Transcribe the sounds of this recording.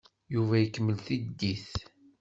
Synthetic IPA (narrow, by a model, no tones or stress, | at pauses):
juvæjəkːəmːəlθid̪ːiθ